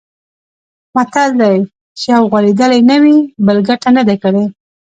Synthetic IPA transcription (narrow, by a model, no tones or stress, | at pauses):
mat̪ald̪aj | t͡ʃeawɣwaled̪əlajnawibəlɡaʈanad̪akəɽe